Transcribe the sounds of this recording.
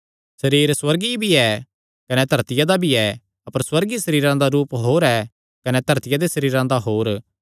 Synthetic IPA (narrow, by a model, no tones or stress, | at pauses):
sɐɾiːɾswɐɾɡibʱiɛː | kɐnɛt̪ɐɾt̪ɪjad̪abʱiɛ | ɐpəɾswɐɾɡisɐɾiːɾãd̪aɾuːpɦoːɾɛ | kɐnɛt̪ɐɾt̪ɪjad̪esɐɾiːɾãd̪aɦoːɾ